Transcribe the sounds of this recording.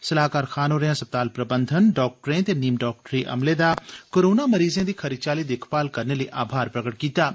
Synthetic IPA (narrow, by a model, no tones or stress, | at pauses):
sɐlaːkaːɾxʰaːnoːɾəjãsɐp̚t̪aːlpɾɐbə̃nd̪ʱənɖɔːk̚ʈɾẽt̪eniːmɖɔːk̚ʈɾiʔɐ̰mled̪akoːɾoːnamɐɾiːzẽd̪iːkʰɐɾid̪t͡ʃaːlid̪eːkʰpaːlkɐɾneləiʔaːbʱaːɾpɾəkəʈkiːt̪aː